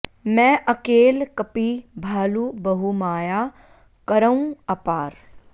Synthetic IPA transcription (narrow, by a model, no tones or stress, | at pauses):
mɛ̃ʔɐkeːlkɐpibʱaːlubɐɦumaːjaː | kəɾəũɐpaːɾ